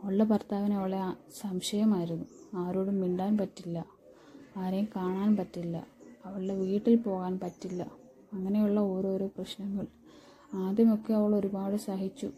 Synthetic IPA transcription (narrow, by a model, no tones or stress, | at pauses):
ɐʋɐɭːɐpɐrt̪aːʋinɐʋiɭesɐmɕɐjɐmaːjiɾunːuaːɾoːɽumʋiɳɖaːnpɐtːilːɐ | aːɾɐjumkaːɳaːnpɐtːilːɐ̰ɐʋɐɭiɖe̞ʋiːʈːilpo̞ːɣaːnpɐtːilːɐ | ɐŋːɐne̞juɭːɐo̞ːɾo̞ːɾo̞ːprɐɕnɐŋːɐɭ | aːd̪jɐmo̞kːe̞ɐʋɐɭo̞ɾubaːɽɨsaːɦit͡ɕːṵ